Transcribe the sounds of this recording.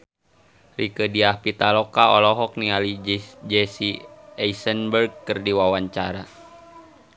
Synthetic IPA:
rikədiahpit̪alɔkaɔlɔɦɔk̚nialid͡ʒɛsiɛisənbərɡ̚kɨrdiwawaɲt͡ʃaɾa

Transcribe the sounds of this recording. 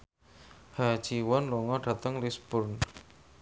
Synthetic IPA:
hḁd͡ʒiwɔnlɔŋɔɖ̥a̤t̪əŋlisb̥ʊrn

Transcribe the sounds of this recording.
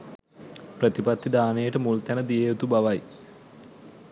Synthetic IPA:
prɐt̪ipɐt̪ʰːid̪aːnejeʈəmult̪ɛnəd̪ijeot̪ubɐʋɐj

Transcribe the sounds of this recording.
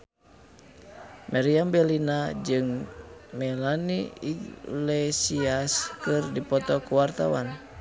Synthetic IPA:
maɾiambɛlinad͡ʒɨŋmɛlaniiɡlɛsiaskɨrdipɔt̪ɔkuwart̪awan

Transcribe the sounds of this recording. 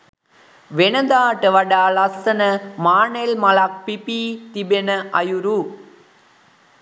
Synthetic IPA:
ʋɛnɐd̪aːʈːɐʋɐɽaːlɐsɐnɐmaːnelmɐlaːk̚pipit̪ibenɐʔɐjuɾu

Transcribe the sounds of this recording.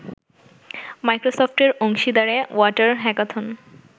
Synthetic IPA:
majkɾosofʈeɾoŋʃid̪aɾewɔʈaɾɦɛkat̪ʰon

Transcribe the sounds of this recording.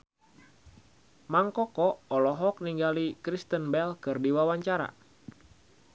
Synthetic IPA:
maŋkɔkɔːlɔɦɔk̚niŋɡalikɾist̪ənbɛlkɨrdiwawaɲt͡ʃaɾa̰

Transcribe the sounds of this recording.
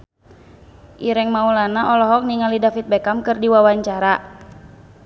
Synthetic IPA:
ʔiɾɛŋmaulanaʔɔlɔɦɔk̚niŋalidafit̪̚bɛkamkɨrdiwawaɲt͡ʃaɾa

